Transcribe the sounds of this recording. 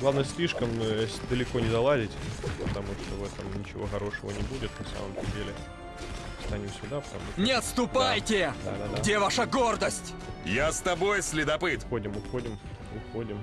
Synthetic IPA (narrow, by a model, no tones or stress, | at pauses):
ɡlˠavnəsʲlʲiʂkəmd̪əlʲɪko̞nʲɪzɐlˠazʲɪtʲpət̪ɐmuʂt̪ovɛt̪əmnʲɪt͡ɕɪ̰vo̞̰xɐɾo̞ʂəvənʲɪbudʲɪt̪nɐsa̰məmt̪ədʲelʲɪ | st̪anʲusʲʊd̪apt̪a̰mʊnʲɪɐt̪st̪ʊpajtʲɪd̪a̰d̪ad̪ɡadʲevaʂəɡo̞rd̪əsʲtʲ | jast̪ɐbo̞jsʲlʲɪd̪ɐpɨt̪xo̞dʲɪmʊxodʲɪm | ʊxodʲɪm